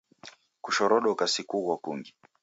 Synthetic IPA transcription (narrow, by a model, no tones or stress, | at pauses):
kuʃɔɾɔɗɔkasikuɣwakuŋɡi